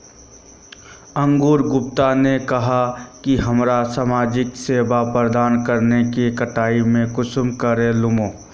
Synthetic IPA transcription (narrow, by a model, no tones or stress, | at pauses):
ɐ̃ŋɡuːɾɡʊp̚t̪anekɐɦakiɦɐmɾasamaːd͡ʒɪkseːbapɾəd̪aːnkɐɾnekikɐʈaːimẽkʊsmkəɾelʊmoː